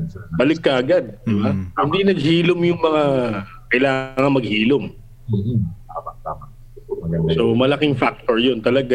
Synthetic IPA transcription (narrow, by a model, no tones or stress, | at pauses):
bɐlɪkːɐʔɐɡad̪̚d̪ɪbahɪnd̪inɐɡ̚hiːlʊmjʊŋmɐŋa | kɐjlaːŋɐŋmɐɡ̚hiːlʊm | a | somɐlɐkɪŋfak̚t̪oɹjont̪ɐlɐɡa